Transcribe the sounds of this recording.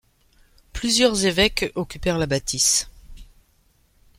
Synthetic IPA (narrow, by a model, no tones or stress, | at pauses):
plyzjœʁzevɛkɔkʲypɛʁlabat̪is